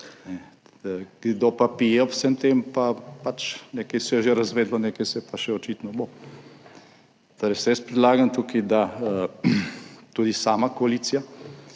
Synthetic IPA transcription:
nɛ | ɡd̪opapijɛɔpsɛmt̪empapat͡ʃnekɛjsɛjɛʒeɾɐzʋeːd̪lɔnekɛjsɛpaʃɛɔt͡ʃiːt̪nɔbo | t̪oɾɛjsɛjɛspɾid̪laːɡant̪uːkid̪a | t̪uːd̪isaːmakoaliːt̪sija

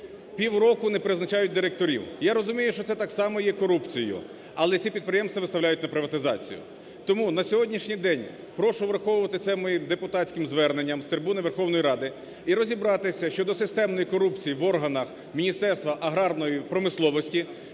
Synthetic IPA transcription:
pʲiwrɔkʊnepɾɪznɐt͡ʃajʊt̚ʲd̪ɪɾek̚t̪ɔɾʲḭwjaɾɔzʊmʲijʊʃt͡ʃɔt̪sɛt̪ɑksɑmɔjɛkɔɾupt͡sʲijʊ̰ | ɐlˠɛt͡sʲipʲid̪̚pɾɪjɛmst̪ʋɐʋɪst̪ɐwlʲajʊtʲnɐpɾɪʋɐt̪ɪzɑ̰t͡sʲḭjʊ̰ | t̪ɔmunɐsʲɔɦɔdʲnʲiʃnʲijd̪ɛnʲ | pɾɔʃʊʋɾɐxɔʋʊʋɐt̪ɪt̪sɛmɔjimd̪epʊt̪ɑtʲt͡sʲkʲɪmzʋɛrnenʲːɐmst̪ɾbunɪʋerxɔwnɔjiɾɑd̪ɪ | iɾɔzʲibɾɑt̪ɪsʲɐʃt͡ʃɔd̪ɔsɪst̪ɛmnɔjikɔɾupt͡sʲijiʋɔrɦɐnɐx | mʲinʲist̪ɛrst̪ʋɐʔɐɦɾɑrnɔjipɾɔmɪslˠɔʋɔsʲtʲi

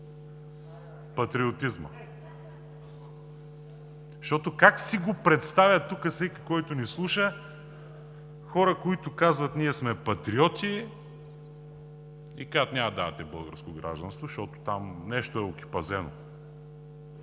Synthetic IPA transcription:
pɐt̪ɾiot̪izmə̰ | ʃt̪ɔt̪okaksiɡopɾɛt̪st̪avʲɐt̪ːukəsɛki̥kɔjt̪ʊnislˠuʃə | xɔɾəkoit̪ʊkazvɐt̪niɛsmɛpɐt̪ɾiɔt̪i | ikaʒt̪nʲamɐd̪aɐt̪ɛbəlˠɡəɾskoɡɾa̰ʒd̪ɐnst̪voʃt̪ɔt̪o̥t̪amnɛʃt̪oɛoki̥pɐzɛno̰

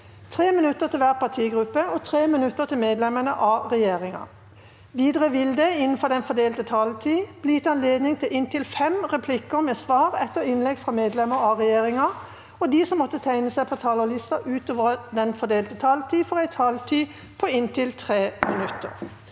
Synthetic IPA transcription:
t̪ʰʁeːmɪnʉt̪ːət̪ʰɪlʋæːʁpɑt̪ʰiːɡʁʉpːəɔt̪ʰʁeːmɪnʉt̪ːət̪ʰɪlmeːd̪lɛmənəʔɑʁɛjeːʁɪŋɑ̰ | ʋiːd̪əʁəʋɪld̪əɪnːn̩fɔʁd̪ɛnfɔd̪eːlt̪ət̪ʰɑlt̪ʰiːb̥liɪt̪ːɑnleːd̪nɪŋt̪ʰɪlʔɪnt̪ɪlfɛmʁɛpʰlɪkəʁmɛsʋɑːʁɛt̪ːəʁɪnlɛɡfʁɑmeːd̪lɛməɑʁɛjeːʁɪŋɑ | ɔd̪iːsɔmːɔt̪ːət̪ʰæɪnəsæɪpʰɔt̪ʰɑːləlɪst̪ɑʔʉːt̪oːʋəʁd̪ɛnfɔd̪eːlt̪ət̪ʰɑːlt̪ʰiːfɔʁæɪt̪ʰɑlt̪ʰiː | pʰɔɪnt̪ʰɪlt̪ʰʁeːmɪnʉt̪ːə̰ʁ

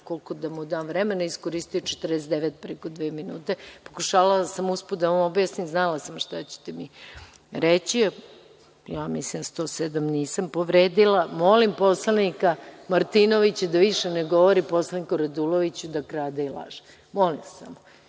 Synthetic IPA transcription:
ko̞lkod̪amud̪anʋɾemenaiskoɾist̪ujut͡ʃet̪rd̪estd̪eʋet̪̚pɾekod̪ʋeːminuːt̪e̞po̞kuʃaːlalasamusput̪d̪aamobjasnimznalasamʃt̪at͡ɕe̥t̪emi | ɾet͡ɕia | jamislimst̪o̞sed̪amniːsampoʋɾeːd̪ilamo̞limpo̞slˠanikamaɾt̪inoʋit͡ɕad̪aʋiʃeneɡo̞ʋoɾipo̞slˠanikoɾad̪ulˠoʋit͡ɕud̪akɾaːd̪ailˠa̰ʒe̥ | mo̞limsa̰m

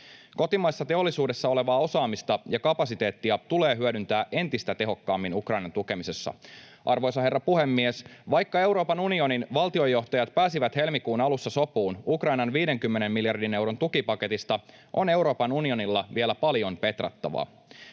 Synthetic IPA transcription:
ko̞t̪imɑjsːɑt̪e̞o̞lːˑisuːde̞sːɑo̞le̞ʋɑːo̞sɑːmist̪ɑjɑkɑpɑsit̪e̞ːt̪ːiɑt̪ule̞ːɦyødynt̪æːʔe̞nt̪ist̪æt̪e̞ɦo̞kːɑːmːinukrɑjnɑnt̪uke̞mise̞sːɑ̰ | ʔɑrʋo̞jsɑɦe̞rːɑpuhemːiesʋɑjkːɑe̞wɾo̞ːpɑnunio̞ninʋɑlt̪io̞jːo̞ht̪ɑjɑt̪̚pæːsiʋæt̪he̞lmikuːnɑlusːɑso̞puːnukrɑjnɑnʋiːde̞ŋkymːene̞mːiljɑrdine̞wɾont̪ukipɑke̞t̪ist̪ɑ | ʔo̞̰ne̞wɾo̞ːpɑnunio̞nilːɑʋielæpɑljo̞npe̞t̪ræ̰t̪ːɑ̰ʋɑ̰

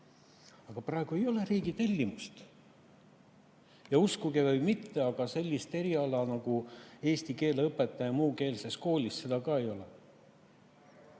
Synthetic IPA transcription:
ɑɡ̥ɑprɑˑe̞ɡ̥ue̞jo̞le̞ɾiːɡit̪e̞lʲːimust̪ | jɑuskuɡevɤjmit̪ːe̞ɑɡ̥ɑse̞lʲːist̪e̞ɾiɑlɑnɑɡ̥ue̞ːst̪ike̞ːleɤpːˑet̪ːˑɑjɑmuːke̞ːlse̞sko̞ːlʲisse̞d̪̥ɑkɑːe̞jo̞le̞

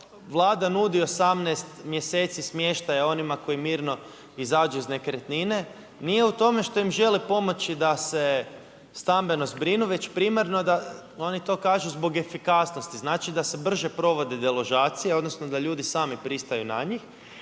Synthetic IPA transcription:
ʋlˠaːd̪anud̪io̞samneːst̪mje̞se̞ːt̪sismje̞ʃt̪ajao̞nimako̞jimiːɾno̞ | izaːd͡ʒuizne̞kɾet̪nine̞ | nije̞ut̪o̞me̞ʃt̪o̞imʒe̞lipo̞mo̞t͡ʃid̪ase̞ | st̪ambe̞no̞zbɾinuʋe̞t͡ɕpɾimaɾno̞d̪ao̞nit̪o̞ːkaːʒuzbo̞ɡe̞fikasno̞st̪iznaːt͡ʃid̪ase̞br̩ʒe̞pɾo̞ʋo̞d̪e̞d̪elo̞ʒaːt̪sijeod̪no̞sno̞d̪aʎuːd̪isaːmipɾist̪ajuna̰ɲix

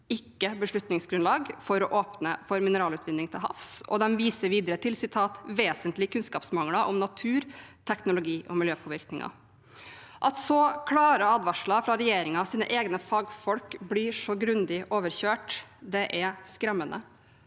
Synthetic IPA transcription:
ɪkːəbəʂɭʉt̪nɪŋsɡɾʉnlɑːɡfɔɾɔʔoːpnə̰fɔɾmɪnəɾɑːlʉːt̪ʋɪnd̪ɪŋt̪ʰɪlɦɑ̰fsɔ̰d̪ɛnʋiːsəɾʋiːd̪əɾət̪ʰɪlsɪt̪ʰɑːt̪ʋeːsənt̪lɪkʉnskɑːpsmɑŋləʔɔmnɑt̪ʰʉːɾt̪ʰɛknʊlʊɡiːʔɔmɪljøːpʰɔʋɪɾknɪŋɑ̰ | ʔɑt̪sɔkʰlɑːɾəɑd̪ʋɑʂlɑfɾɑɾɛjeːɾɪŋɑɑsiːnə̰ʔeːɡnəfɑːɡfɔlkblɪʂɔɡɾʉnd̪ɪʔoːʋəɾçøːʈd̪ɛʔɛskɾɛmːənə̰

